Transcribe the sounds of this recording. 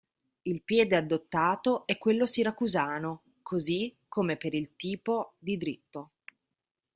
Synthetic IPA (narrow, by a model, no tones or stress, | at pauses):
ilpjɛːd̪ead̪ːot̪ːaːt̪oʔɛkːwelːosiɾakuzaːno | kʰozikʰːomepeɾilt̪iːpod̪id̪ɾit̪ːo